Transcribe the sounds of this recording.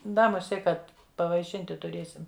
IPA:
ˈdɐ mʊˈsʲiɛ ˈkɐt pɐʋɐɪˈʃʲɪnʲtʲɪ tʊˈrʲeːsʲɪm

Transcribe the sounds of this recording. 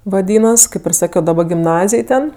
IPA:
ʋɐˈdʲiːnɐs ˈkɐɪp ɪr ˈsɑːkʲoː dɐˈbɐ ɡʲɪmˈnɑːzʲɪj ˈtʲɛn

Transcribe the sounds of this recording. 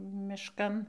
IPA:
mʲɪʃˈkɐn

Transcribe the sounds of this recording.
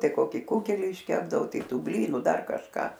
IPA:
ˈtɐɪ ˈkoːkʲɪ ˈkʊɡʲɛlʲɪ ɪʃʲˈkʲæːbdɐʋoː ˈtɐɪ ˈtuː ˈbʲlʲiːnʊ ˈdɐr kɐʃˈkɑː

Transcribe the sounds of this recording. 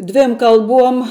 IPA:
ˈdʲʋʲeːm kɐlˠˈbuɔm

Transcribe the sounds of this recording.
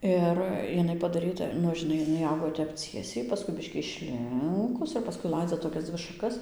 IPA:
ˈɪr ɪˈnɐɪ pɐdɐˈrʲiːtɐ ˈnʊ ʒʲɪˈnɐɪ ɪˈnɐɪ ˈɐʊɡoː ˈtʲɛp ˈt͡sʲiɛsʲɛɪ ˈpɑːskʊɪ ˈbʲɪʃʲkʲiː ɪʃʲˈlʲɪŋkʊs ɪr pɐˈskʊɪ ˈlˠɐɪd͡zɐ toːˈkʲɛs ˈd͡zʲʋʲɪ ʃɐˈkɐs

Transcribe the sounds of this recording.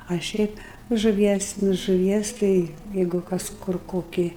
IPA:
ɐ ˈʃʲɛɪp ʒʊˈʋʲiɛs nʊ ʒʊˈʋʲiɛs ˈtɐɪ ˈjɛɪɡʊ ˈkɐs ˈkʊr ˈkoːkʲɪ

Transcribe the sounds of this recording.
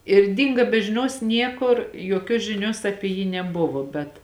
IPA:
ɪr ˈdʲɪŋɡɐ bʲɛ ʒʲɪˈnʲoːs ˈnʲiɛkʊr joːˈkʲoːs ʒʲɪˈnʲoːs ˈɑːpʲɪ jiː nʲɛˈbʊʋoː bʲɛt

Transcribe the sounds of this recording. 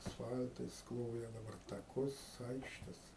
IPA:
ɐsˈfɐlʲtɐɪs ˈklˠoːjɛ dɐˈbɐr tɐˈkʊs ˈɐɪkʃʲtʲɛs

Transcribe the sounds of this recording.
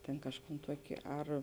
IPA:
tʲeːn ˈkɑːʃˌkuːn ˈtuɔkʲeː ˈɐr

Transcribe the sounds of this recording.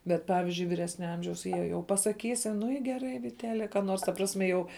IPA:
ˈbʲɛt ˈpɑːʋʲɪzʲd͡ʒʲʊɪ ʋʲɪˈrʲæːsʲnʲɛ ˈɐmʲʒʲɛʊs ˈjiɛ jɛʊ pɐsɐˈkʲiːsʲɪ ˈnʊ ɪ ɡʲɛˈrɐɪ ʋʲɪtʲɛˈtʲæːlʲɛ kɑː ˈnoːrs tɐ ˈprɑːsʲmʲɛ jɛʊ

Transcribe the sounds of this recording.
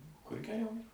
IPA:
kʊr ɡʲɛˈrʲɛʊ

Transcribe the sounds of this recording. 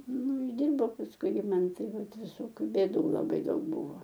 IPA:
ˈnʊ ʊʒʲˈdʲɪrbɐʊ pɐsˈkʊɪ ɪr ˈmɐn ˈtɐɪ ˈʋɐt ʋʲɪˈsoːkʲʊ bʲeːˈduː lˠɐˈbɐɪ ˈdɐʊk ˈbʊʋoː

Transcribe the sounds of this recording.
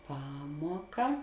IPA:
ˈpɑːmuɔkɐ

